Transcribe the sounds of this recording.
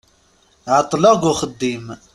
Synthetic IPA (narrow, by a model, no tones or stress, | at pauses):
ʕɑt̪ˤːlɑɡʊχəd̪ːim